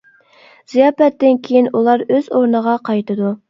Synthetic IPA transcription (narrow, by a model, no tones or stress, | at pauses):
z̥ijɑːpɛt̪ːɪnkʲʰejinulˠɑɾøz̥oɾnəʁɑqʰɑjt̪ʰɨd̪u